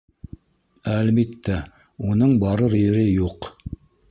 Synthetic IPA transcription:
ælmit̪ːæ | unɤɴbɑɾɤɾiɾɘjuq

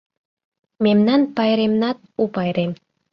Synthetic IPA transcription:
memnɑnpɑjɾemnɑt̪̚upɑjɾem

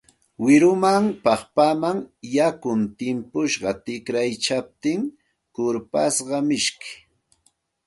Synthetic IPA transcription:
wɪɾʊmaŋpɑχpamaŋjakʊnt̪ɪmpʊʃɢɑt̪ɪkɾajt͡ʃap̚t̪ɪŋ | kʊɾpasɢɑmɪʃkɪ̥

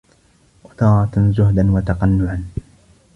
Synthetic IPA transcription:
wɑt̪ɑːɾˤɑt̪zʊɦd̪anwat̪ɑqɑnːʊʕan

